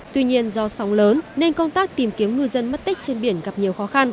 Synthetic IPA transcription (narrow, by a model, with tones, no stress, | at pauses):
t̪wi˧ɲi˧ənzɔ˧sɔ˨˦wŋ͡mləː˨˦nne˧ŋkə˧wŋ͡mt̪aː˦˥k̚t̪i˨˩mki˨˦əmŋɨ˧jzə˧nm˦˥t̚t̪ï˦˥k̟̚t͡ɕe˧nɓi˧˩ənɣa˨˩p̚ɲi˨˩əwxɔ˨˦xa˧n